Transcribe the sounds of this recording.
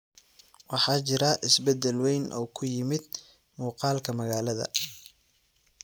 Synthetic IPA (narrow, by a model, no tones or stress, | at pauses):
wɑħɑːt͡ʃɪɾɐʔɪsbɛd̪ɛlwɛjnʔɔ̰ːkʰʊjɪmɪd̪̚ | muːqɑːlkʰɐmɐɣaːlɐðɐ̰